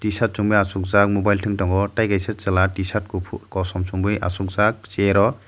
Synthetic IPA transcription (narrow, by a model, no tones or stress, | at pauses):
tisat̚suŋbɯjasuk̚zak̚mobajltʰɯŋtɔŋɡɔtajɡajset͡ʃalatisat̚kpʰkɔsɔmsuŋbɯja̰suk̚zak̚t͡ʃeɾɔ